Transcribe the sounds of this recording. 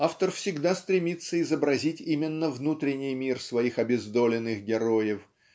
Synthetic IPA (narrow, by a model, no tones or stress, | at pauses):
aft̪ərfsʲɪɡd̪ast̪ɾʲɪmʲit̪sːəɪzəbɾɐzʲitʲimʲɪnːəvnut̪ɾʲɪnʲːɪjmʲirsvɐixɐbʲɪzd̪olʲɪnːɨxɡʲɪɾojɪf